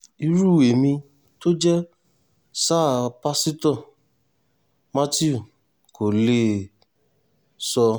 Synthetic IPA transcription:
i˧ɾu˦˨e˨mĩ˧ | to˦d͡ʒɛ˦ | sa˦˨˧pa˦si˦tɔ˦˨ | ma˦ti˦u˨ | kʰo˨le˦˨ | sɔ˧

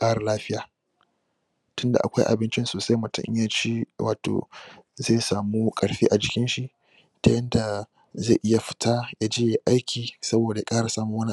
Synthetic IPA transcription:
kʼaː˦ɽa˨laː˦ɸɪ˦jaː˨ | tʊ˦nda̰˨ʔa̰˨kʷa˦jʔa̰˨bɪ˦nt͡ʃɪ˦nsoː˨sa˦mʊ˨tʊ̰˦ɲja˦t͡ʃiː˦wa̰ː˨to̰˨zeː˦˨saː˨muː˦kʼɐ˨ɽɸiː˦ʔa˨d͡ʒɪ˨kʲɪ˦nʃi˨ʔ | ta˦jɐ˦nda˨ | ze˦˨ʔɪ˦ja˨ɸɪ̥˨tʰaː˦ja˦d͡ʒeː˦je˨ʔa˦jkʲʰiː˨sɐ˦boː˨da˨ja˨˦kʼaː˦ɽa˨saː˦muː˦wɐ˦ni˦

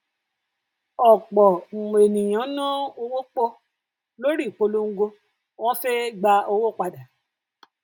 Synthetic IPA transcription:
ɔ˨k͡pɔ˨ŋ͡m̩˨ɡ͡be˨nĩ˨j̃ã˨˦nã˦o˧wo˦k͡po˦ | lo˦ɾi˦˨k͡po˧lu˦ŋ̩˦ɡo˧ | w̃ɔ̃˦se˦ɡ͡ba˧o˧wo˦˨k͡pa˧da˨

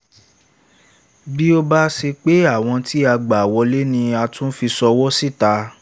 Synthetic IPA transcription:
bi˦o˧ba˦se˧k͡pe˦a˦˨w̃ɔ̃˧ti˦a˧ɡ͡ba˨wɔ˧˦le˦nĩ˧a˧tũ˦n̩˦fi˧sɔ˧wɔ˦si˦˨ta˨˧˦

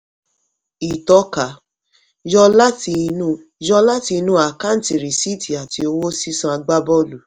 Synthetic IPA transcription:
i˨tɔ˨˦ka˨˦ | d͡ʒɔ˧la˦ti˧nũ˦ | d͡ʒɔ˧la˦ti˧nũ˦a˨ka˦n̩˦ti˨ɾi˨si˦˨ti˨a˨ti˧o˧wo˦si˦sã˦a˧ɡ͡ba˦bɔ˦lu˨

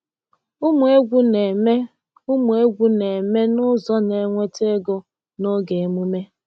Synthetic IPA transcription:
u˦mu˨e˦ɡʷu˦ne˨me˦ | u˦mu˨e˦ɡʷu˦ne˨me˦nʊ˦zɔ˦ne˨ŋʷe˦te˦ɡo˦ | no˦ɡe˨mu˦me˦

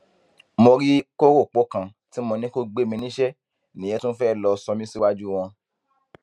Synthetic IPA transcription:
mo˧ɾi˦ko˦ɾo˦˨k͡po˨˦kã˨ | ti˨˦mõ˧nĩ˦ko˦ɡ͡be˦˨mĩ˧nĩ˦ʃɛ˦ | nĩ˨je˨˦tũ˦n̩˦fɛ˦˨lɔ˧sɔ˧mĩ˦si˦wa˦d͡ʒu˦w̃ɔ̃˧

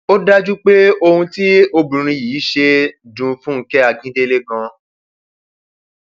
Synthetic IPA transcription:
o˦da˦d͡ʒu˦k͡pe˦o˧hũ˧ti˦o˧bũ˨ɾ̃ĩ˧jiː˨˦ʃe˧dũ˧fũ˦ŋ̩˧˦kɛ˦a˧ɡĩ˦de˦˧le˦ɡã˧

